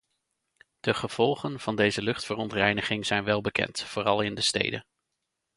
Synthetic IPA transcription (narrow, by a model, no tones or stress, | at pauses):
d̥əχəv̥ɔlˠχənv̥ɑndejzəlɵχtfərɔntrɛjnəχɪŋz̥ɛjnʋɛlˠbəkɛ̰ntfoːrɑlˠɪndəstḛjdə̰